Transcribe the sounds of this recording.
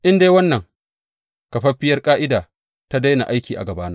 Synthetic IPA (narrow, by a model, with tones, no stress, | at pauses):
ʔɪ˦ndeː˦wɐ˦nːɐ˨ŋ | kɐ˨ɸɐ˦ɸɪ˦jɐ˦rkʼaː˦ʔɪ˦daː˨ | ta˦da˦jna̰˨ʔa˦jkʲiː˨ʔa̰˨ɡɐ˨baː˦na˦